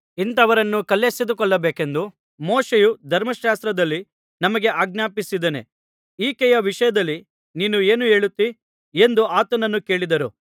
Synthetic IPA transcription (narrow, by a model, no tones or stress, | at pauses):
int̪ɐʋɐɾɐnːukɐlːesid̪ukɔɭːɐbeːkend̪u | moːʃejud̪ʱɐɾmɐʃaːst̪ɾɐd̪ɐlːi | nɐmɐɡe̞ʔaːɡ̚njaːpisid̪enḛ | iːkɛjɐʋiʂɐjɐd̪ɐlːi | niːnue̞ːnue̞ːɭut̪ːi | e̞nd̪uaːt̪ɐnɐnːuke̞ːɭid̪ɐɾu